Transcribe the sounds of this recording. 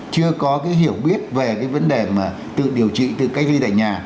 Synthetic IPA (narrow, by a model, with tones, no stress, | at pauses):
t͡ɕɨ˧əkɔ˨˦kaː˨˦jɦi˧˩əwɓi˦˥ət̚ve˨˩kaː˨˦jvə˨˦nɗe˨˩maː˨˩ | t̪ɨ̰˧˨ɗi˨˩əwt͡ɕḭ˧˨t̪ɨ̰˧˨ka˦˥jk̟̚li˧t̪a̰ː˧˨ɲaː˨˩